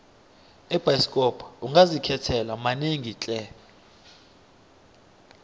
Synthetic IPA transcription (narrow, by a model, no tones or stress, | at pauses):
ɛb̥ʱajskʼɔpʰauŋɡʱazikʰɛtʰɛlamaneŋʱit͡ɬʼɛ